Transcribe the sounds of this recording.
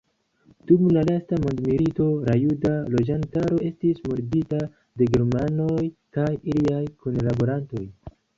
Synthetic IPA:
d̥umlalastamo̞ndmilito̞ɾajudalo̞d͡ʒantaɾo̞e̞stismoɾdita | de̞ɡe̞ɾmano̞jkajiliajkunlabo̞ɾanto̞j

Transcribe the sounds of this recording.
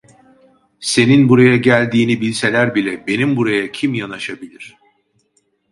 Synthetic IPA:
se̞ninbuɾajaɟælʲd̪iːnibilʲse̞lʲæɾbilʲɛbe̞nimbuɾajacʰimjanaʃabilʲiɾ̥

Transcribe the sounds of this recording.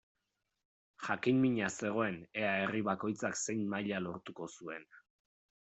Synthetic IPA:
ʝakinmiɲase̞ɣ̞o̞e̞ne̞aeriβako̞jt͡sakse̞jnmaʎalo̞ɾt̪uko̞sue̞n

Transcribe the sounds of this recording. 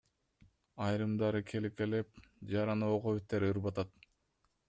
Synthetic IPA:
ɑjɾɯmd̪ɑɾɯkʰelikelep̚d͡ʒɑɾɑnɯoqoβit̪ːeɾɯɾbɑt̪ɑt̪

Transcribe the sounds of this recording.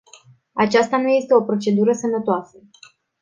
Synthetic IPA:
at͡ʃast̪anuje̞st̪e̞o̞pɾo̞t͡ʃe̞d̪uɾəsəmnət̪oasə

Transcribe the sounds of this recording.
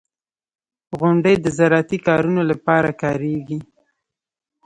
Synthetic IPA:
ɣʊɳɖəjd̪əzaɾɑt̪ikɑɾunolapɑɾakɑɾeɡi

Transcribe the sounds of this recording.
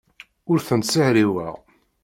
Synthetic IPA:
ʊɾθənt̪səhɾiwæ̰ʁ

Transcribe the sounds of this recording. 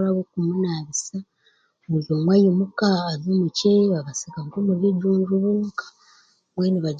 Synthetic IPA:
ɾaβokumunaβisa | muzomwajimukaːzimuceβaβasiɡaŋkomuɾiɟuːnɾuβuːkḁ | mweniβa

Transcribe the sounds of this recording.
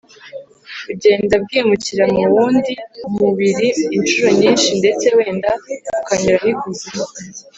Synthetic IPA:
ubɟe̞ːndab̚ɡiːmuciɾamuβuːndimuβiɾiːnʃuɾo̞ɲiːnʃinde̞t͡sewe̞ːndaukaɲuɾahiɡuzi

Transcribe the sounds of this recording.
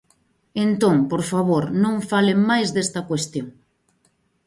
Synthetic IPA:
ent̪õŋpoɾfaβ̞oɾnõŋfaleŋmajzðest̪ɐkwest̪joŋ

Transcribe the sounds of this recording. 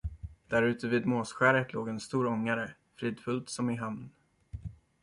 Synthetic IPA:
d̪̥æɾʉ̟ːt̪əviːd̪moːsɧæːɾət̪loːɡɛnst̪uːɾɔŋːaɾə | fɾiːd̪fɵlt̪sɔmɪɦamn

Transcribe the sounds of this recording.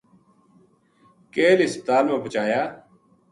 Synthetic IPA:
keːlɪsp̚t̪aːnõːbət͡ʃaːjaː

